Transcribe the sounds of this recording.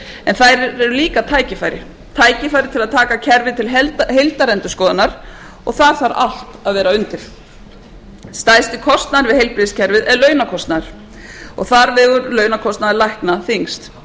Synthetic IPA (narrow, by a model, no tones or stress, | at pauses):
ɛnθajɾɾɛɾʏliːkat̪ʰaːjcɪfajɾɪ̰ | t̪ʰaːjcɪfajɾɪt̪ʰɪlaðt̪ʰaːkacʰɛɾvɪt̪ʰɪlɦɛhejlt̪aɾɛnt̪ʏ̥skɔːðanaɾ̥ | ɔ̰ɣθaɾ̥θaɾa̰l̥t̪aðvɛːɾaʏnt̪ɪɾ̥ | st̪aːjst̪ɪkʰɔst̪naðɾvɪðhejlpɾɪscʰɛɾvɪðɛðlœːɥnakʰɔst̪naðɾ̥ | ɔ̰ɣθaɾvɪːɣʏɾlœːɥnakʰɔst̪naðɪɾlajhknaθiŋst̪